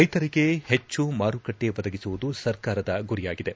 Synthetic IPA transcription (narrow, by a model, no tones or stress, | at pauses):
ɐjt̪ɐɾiɡe̞het͡ʃːumaːɾukɐʈːeʋɐd̪ɐɡisuʋud̪usɐɾkaːɾɐd̪ɐɡuɾijaːɡid̪e̞